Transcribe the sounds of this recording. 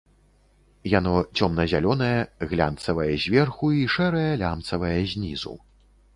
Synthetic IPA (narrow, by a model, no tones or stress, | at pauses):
janɔt͡sʲɔmnɐzʲalʲɔnɐjɐɣlʲa̰nt̪sɐvɐjɐzʲvʲɛrxuiʂɛɾɐjɐlʲamt̪sɐvɐjɐzʲnʲizṵw